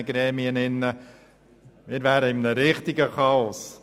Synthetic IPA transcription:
əɡɾɛːmiənɪnːə | mɪːɾvæːɾəɪmnəɾɪχt̪ɪɡəkɑɔs

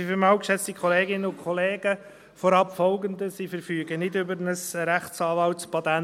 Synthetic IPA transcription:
ifəmɑwkʃɛt͡st̪ikχɔleːɡɪnːəʊnkʰχɔleːɡə | fɔɾɑpfɔlɡənd̪əsifəɾfyːɡənɪdʏbəɾnəsɾæχt͡sɑːʋɑltspɑt̪æ

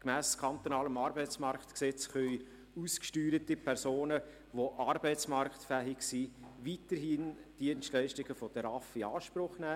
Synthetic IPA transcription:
kmæːskʰɑnt̪onɑːləmɑːɾbɛɪt͡smɑɾkt̪ksɛt͡sχœj | uskʃtyːɾətipʰɛɾsoːnə | ʋoʔɑːɾbɛɪt͡smɑɾktfæːɦɪɡsivitəɾɦind̥iənstlɛɪʃtɪɡ̥əfɔd̥əɾɑfiɑːʃpɾʊχnæː

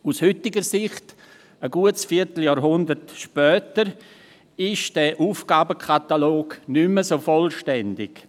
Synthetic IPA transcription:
ushʏtɪɡəɾsɪχt | əɡ̥uətsfiːɾtl̩jɑːɾɦʊndəɾtʃpœːtəɾ | ɪʃd̥ɛʔuːfɡ̥aːbəkʰataloːɡnʏməsoːfɔlʃtɛndɪɡ

